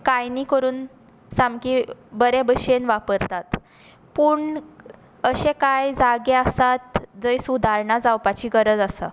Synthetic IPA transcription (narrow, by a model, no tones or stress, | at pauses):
kajniːkəɾuːn | samkibəɾebəɕenʋapəɾt̪at̪ | puːɳ | əɕẽkajd͡zaɡeəsat̪d͡zəisud̪ʱaɾɳad͡zawpat͡ɕiːɡəɾəd͡zasa̰